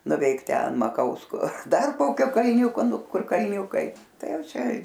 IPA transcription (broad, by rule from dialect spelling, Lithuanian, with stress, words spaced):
nʊˈʋʲɛɪk ˈtʲɛn mɐˈkɐʊskoː ˈdɐr ˈkoːkʲoː kɐlʲˈnʲuːkoː ˈnʊ ˈkʊr kɐlʲˈnʲuːkɐɪ ˈtɐɪ ˈjɛʊ ˈt͡ʃʲɛ